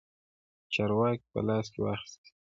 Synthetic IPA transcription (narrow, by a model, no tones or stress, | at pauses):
t͡ʃɑɾwɑk̚pə̰lɑːskʲewaxi̥st̪i̥